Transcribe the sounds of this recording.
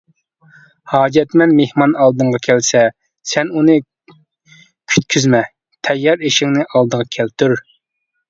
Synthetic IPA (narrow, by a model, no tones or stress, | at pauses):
hɑːd͡ʒɛt̪mɛnmehmɑnɑlˠd̪ɨɴʁɑkʲʰɛlsɛ | sɛnunɨ | kʲʰy̥t̪̚kʲʰyzmɛ | t̪ʰɛjːɑɾeʃɪŋnɪʔɑlˠd̪əʁɑkʲʰælt̪ʰyɾ